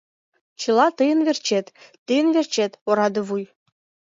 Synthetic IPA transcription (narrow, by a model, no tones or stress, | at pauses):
t͡ɕɯlˠɑt̪əjə̆nβert͡ɕet̪ː | əjənvert͡ɕet̪oɾɑd̪ɤ̆βuj